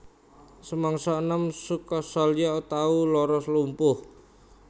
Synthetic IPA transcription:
səmaŋsɔnəmsukɔsaljaut̪aulɔɾɔslumpʊh

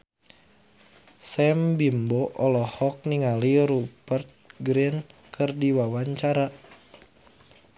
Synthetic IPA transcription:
sɛmbimbɔʔɔlɔhɔk̚niŋaliɾubərt̪̚ɡɾinkʰɨrdiwawaɲt͡ʃaɾa

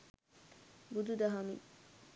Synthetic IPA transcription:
bud̪ud̪ɐɦɐmḭ

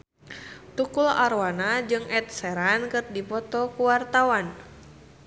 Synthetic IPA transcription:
t̪ukulaɾwanad͡ʒɨŋɛt̪̚sɛɾankɨrdipɔt̪ɔkuwart̪awan

